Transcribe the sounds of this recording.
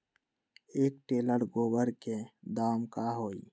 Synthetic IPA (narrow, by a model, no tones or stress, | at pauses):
eːk̚ʈeːləɽɡoːbəɾked̪aːmkaɦoːḭ